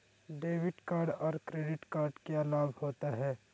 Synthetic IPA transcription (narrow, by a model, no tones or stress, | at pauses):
ɖeːʋɪʈkaːɾɖɔːɾkɾeːɖɪʈkaːɾɖkealaːbʱhoːt̪aɦɛː